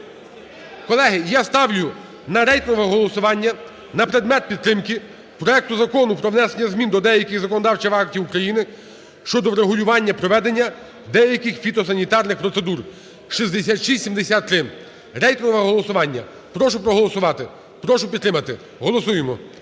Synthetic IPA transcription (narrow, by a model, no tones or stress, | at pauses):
kɔlˠɛɦɪjast̪ɑʋlʲʊ | nɐɾɛjt̪nɔʋɛɦɔlˠɔsʊʋɑnʲːɐ | nɐpɾed̪mɛt̪̚pʲid̪̚t̪ɾɪmkɪ | pɾɔɛk̚t̪ʊzɐkɔnʊpɾɔʋnɛsenʲːɐzmʲind̪ɔd̪ɛjɐkɪɣzɐkɔnd̪ɑwt͡ʃɛʋɑk̚tʲiwukɾɐjinɪ | ʃt͡ʃɔd̪ɔɾeɦʊlʲʊʋɑnʲːɐpɾɔʋɛd̪enʲːɐ | d̪ɛjɐkɪxfʲit̪ɔs̬ɐnʲit̪ɑrnɪxpɾɔt̪se̞d̪ur | ʃizd̪esʲat̪ʃisʲimd̪esʲat̪ːɾɪ | ɾɛjt̪nɔʋɛɦɔlˠɔsʊʋɑnʲːɐ̰ | pɾɔʃʊpɾɔɦɔlˠɔsʊʋɑt̪ɪ | pɾɔʃʊpʲid̪t̪ːɾɪmɐt̪ɪ | ɦɔlˠɔsujemɔ